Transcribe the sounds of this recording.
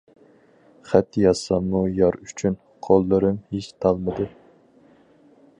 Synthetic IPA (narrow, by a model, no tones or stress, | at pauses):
χæt̪jɑsɑmːujɑɾyt͡ʃʰyn | qʰolˠːɨɾɨmhiʃt̪ʰɑlˠmɨd̪ɨ